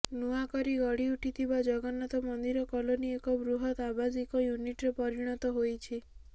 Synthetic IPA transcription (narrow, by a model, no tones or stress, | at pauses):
nuakɔɾiɡɔɽiuʈʰit̪ʰibad͡ʒɔɡɔnɔt̪ɔmɔnd̪iɾɔkɔloniekɔbɾuɦɔt̪abad͡ʒikɔjuniʈɾepɔɾiɽ̃ɔt̪ɔɦojt͡ʃʰi